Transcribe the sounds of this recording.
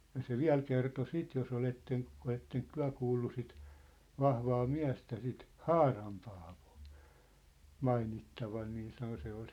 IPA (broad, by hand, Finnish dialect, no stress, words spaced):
jɑ se ʋiæ̝l kerto sit jos oletːen oletːeŋk tyæ̝ kuːlːu sit ʋɑhʋɑː miæ̝stæ sit hɑːrɑm pɑːʋo̥ː mɑinitːɑʋɑn niː sɑno se ol